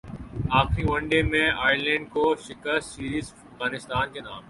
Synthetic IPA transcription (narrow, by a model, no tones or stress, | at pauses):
aːxɾiʋɐ̃ɳɖemẽaːjəɾlɛ̃ːɳɖ̚koːʃɪkəiːɾiːz | ɐfɣaːnɪst̪aːnkeːnaːm